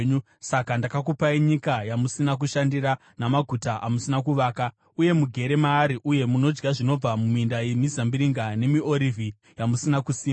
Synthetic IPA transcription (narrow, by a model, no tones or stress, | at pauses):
u | sakandakakupaiɲikajamusinak̬uʃandiɾa | namaɡʱutaʔamusinakuʋaːka | uje̞muɡʱe̞ɾe̞maːɾiʔuje̞muno̞d͡ʒɡaʐino̞b͡vamumuindajemizambiɾiŋɡane̞mio̞ɾivʱi | jamusinakusiːm